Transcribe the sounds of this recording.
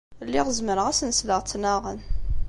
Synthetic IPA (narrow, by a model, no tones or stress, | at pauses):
lːiʁəzməɾʁæsənsləʁt͡sːnaʁən